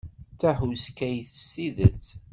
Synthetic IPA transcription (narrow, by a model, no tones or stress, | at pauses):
t͡sːæħuskæjθəst̪iðət͡sː